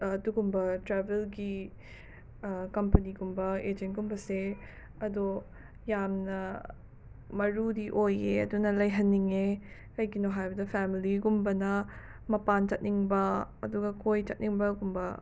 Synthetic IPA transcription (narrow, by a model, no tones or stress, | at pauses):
ɐduɡumbɐtɾɛbelɡi | kɐmpɐniɡumbɐed͡ʒenɡumbɐse | ɐdu | jamnɐ | mɐɾudiʔojeɐ̰dunɐlɐjɦɐnːiŋekɐjɡinoɦajbɐdɐpʰɛmiliɡiɡumbɐnɐ | mɐpant͡ʃɐt̚niŋbɐɐ̰duɡɐkojt͡ʃɐt̚niŋbɐɡumbɐ